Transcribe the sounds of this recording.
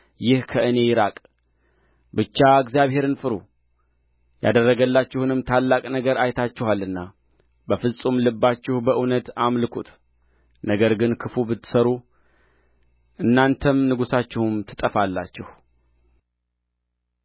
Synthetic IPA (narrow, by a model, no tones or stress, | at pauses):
jɪhkʰəʔɨne̞jɪɾakʼ | bɨt͡ʃːaɨɡzijaβhe̞ɾɨnfɨɾu | ja̰d̪ərːəɡəlːat͡ʃːɪhunɨmt̪ʰalːakʼnəɡəɾajt̪ʰat͡ʃːɪhalːɨnːa | bəfɨsʼumlɨbːat͡ʃːɪhbəʔunət̪amlɨkʰut̪ʰ | nəɡəɾɡɨnkʰɨfubɨt̪ːɨ̥səɾu | ʔɨnːant̪ʰəmnɨɡusat͡ʃːɪhumt̪ʰɨt̪ʼəfalːa̰t͡ʃːɪh